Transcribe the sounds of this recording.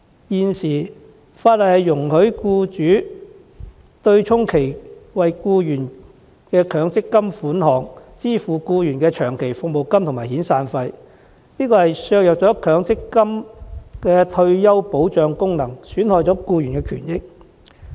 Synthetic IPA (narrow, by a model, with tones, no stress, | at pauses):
jiː˨nsiː˨˩ | faː˧t̚lɐ˨thɐ˨jːʊ˨˩ŋhɵ˨˥ɥkuː˧t͡ʃyː˨˥ | t̪ɵ˧ɥt͡ʃʰʊ˥ŋkʰe˨˩jwɐ˨jkuː˧jyː˨˩n | kɛː˧kʰœː˨˥ŋt͡sɪ˥kːɐ˥mfuː˨˥nhɔː˨˩ŋt͡siː˥fuː˨kuː˧jyː˨˩nkɛː˧t͡ʃʰœː˨˩ŋkʰe˨˩jfʊ˨k̚mo˨wkɐ˥mt̪ʰʊ˨˩ŋmaː˨jɦiː˨˥nsaː˨˧nfɐ˧j | niː˥kɔː˧hɐ˨jsœː˧k̚jɐ˨k̚t͡sɔː˨˥kʰœː˨˥ŋt͡sɪ˥kːɐ˥mkɛː˧t̪ʰɵ˧ɥjɐ˥wpo˨˥wt͡ʃœː˨˧ŋkʊ˥ŋnɐ˨˩ŋsyː˨˥nhɔː˧jt͡sɔː˨˥kuː˧ɥyː˨˩nkɛː˧kʰy̰ː˨˩njɪ˥k̚